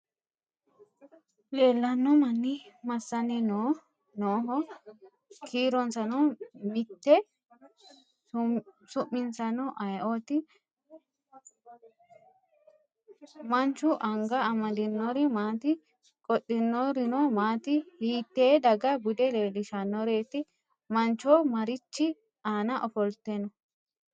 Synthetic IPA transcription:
le̞ːlːɐnːɔmɐnːɪmɐsːɐnɪno | noːɦɔ | kʰiːɾɔnsɐnɔmɪt̪ːɛ | sʊʔːɪnsɐnɔʔɐjʔot̪ɪ | mɐnt͡ʃːʊʔɐŋɡɐːmɐd̪ɪnːɔɾɪmaːt̪ɪ | kʼɔɗːɪnːɔɾɪnomaːt̪ɪhiːt̪ːeːd̪ɐɡɐɡʊd̪ɛleːlɪʃɐnːɔɾe̞ːt̪ɪ | mɐnt͡ʃːoːmɐɾɪt͡ʃːɪ | aːnɐʔɔfɔlt̪enɔ

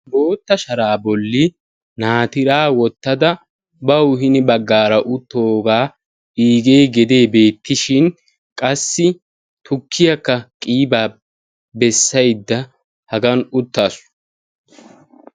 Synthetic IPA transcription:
bo̞ːt̪ːɐʃɐɾaːbɔlːɪ | naːt̪ɪɾaːwɔt̪ːɐd̪ɐ | bɐwɦɪnɪbɐɡːaːɾɐʔʊt̪ːoːɡaː | iːɡe̞ːɡɛd̪e̞ːbe̞ːt̪ʰːɪʃɪn | kʼɐsːɪ | t̪ʊkʰːɪjɐkːɐkʼiːbaː | bɛsːɐjd̪ːɐ | hɐɡɐnʊt̪ːaːs

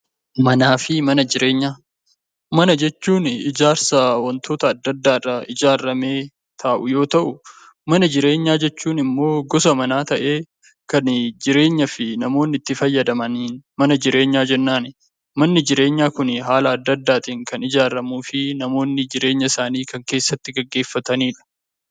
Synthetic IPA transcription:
mɐnaːfɪmɐnɐd͡ʒɪɾeːɲːaː | mɐnɐd͡ʒɛt͡ʃːuːnɪd͡ʒaːɾsɐwɐnt̪ʰo̞ːt̪ɐːd̪ːɐd̪ːaːrɐɪd͡ʒaːrːɐme̞ː | t̪ʰaːʔʊjo̞ːt̪ɐʔʊ | mɐnɐd͡ʒɪɾe̞ːɲːaːd͡ʒɛt͡ʃːuːnɪmːo̞ːɡɔsɐmɐnaːt̪ɐʔe̞ː | kɐnd͡ʒɪɾe̞ːɲːɐfɪnɐmo̞ːnːɪt̪ːɪfɐjːɐd̪ɐmɐninmɐnɐd͡ʒɪɾe̞ːɲːaːd͡ʒɛnːaːnɪ | mɐnːɪd͡ʒɪɾe̞ːɲːaːkʊnɦaːlɐːd̪ːɐd̪ːaːt̪iːŋkɐnɪd͡ʒaːɾɐmuːfɪnɐmo̞ːnːɪd͡ʒɪɾe̞ːɲːɐsaːniːkɐŋke̞ːsːɐt̪ːɪɡɐɡːe̞ːfːɐt̪ɐniːᶑɐ̥

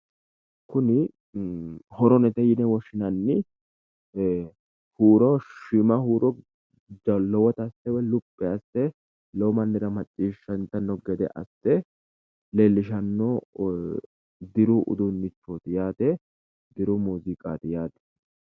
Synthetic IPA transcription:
kʊnɪ | hɔɾɔnɛt̪ɛjɪnɛwɔʃɪnɐnːɪ | huːɾɔʃɪmɐhuːɾɔ | d͡ʒɐlɔwɔt̪ɐsɛwɛlʊpʼːɛɐsɛ | lɔmɐnːɪɾɐmɐt͡ʃʼːiːʃːɐnt̪ɐnːɔɡɛd̪ɛ̰ʔɐ̰sɛ | leːlːɪʃ̬ɐnːo | d̪ɪɾʊʔʊ̰d̪ʊnːɪt͡ʃːoːt̪ɪjaːt̪ɛ | d̪ɪɾʊmuːzɪkʼaːt̪ɪjaːt̪ɛ̥

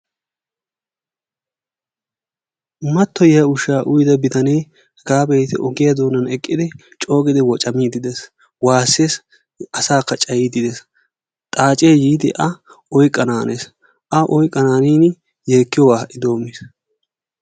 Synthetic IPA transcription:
mɐt̪ːɔjɐʊʃaːʔʊjd̪ɐbɪt̪ɐnɛj | ɡaːbɛjt̪ɪʔɔɡɪjɐd̪oːnɐnɛkʼːɪd̪ɪ | t͡ʃʼo̞ːɡɪd̪ɪwɔt͡ʃʼɐmiːd̪ɪd̪ɛs | waːsːeːs | ɐsaːkːɐt͡ʃʼɐjiːd̪ɪd̪ɛs | t̪ʼaːt͡ʃʼeːjiːd̪ɪʔɐ | ɔjkʼːɐnaːnʔḛs | ʔɐʔɔjkʼːɐnaːniːn | jeːkːɪjɔwaːʔɪd̪o̞ːmːɪs

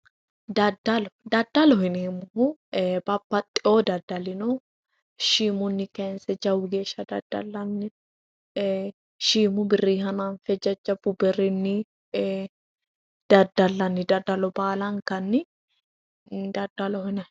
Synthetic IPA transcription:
d̪ɐd̪ɐlɔd̪ɐd̪ːɐlɔhɪneːmʊhʊbɐpːɐt̪ʼɪoːd̪ɐd̪ɐlɪnɔ | ʃiːmʊnːɪkɛnsɛd͡ʒɐwʊɡeːʃɐd̪ɐ̰d̪̥ːɐ̰lːɐnːɪ | ʃiːmʊbɪrːiːhɐnanfɛd͡ʒɐd͡ʒːɐbʊbɛrɪnːɪ | d̪̥ɐd̪ɐlːɐnːɪd̪ɐd̪ːɐlɔbaːlɐŋkɐnːɪ | d̪ɐd̪ɐlɔhɪnɐ

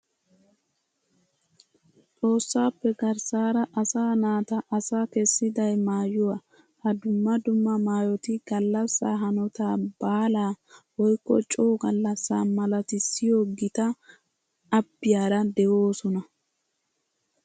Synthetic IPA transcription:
t͡sʼo̞ːsːaːpːɛɡɐɾsaːɾɐʔɐsaːnaːt̪ɐʔɐsaːkɛsːɪd̪ɐjmaːjʊwa | hɐd̪ʊmːɐd̪ʊmːɐmaːjɔt̪ɪɡ̥ɐlːɐsːa̰ːɦɐnɔt̪aːbaːlaːwɔjkːɔ̰t͡ʃʼoːɡɐlːɐsːaːmɐlɐt̪ɪsɪjoːɡɪt̪ɐː | bːɪjaːɾɐd̪ɛʔoːsɔnɐ

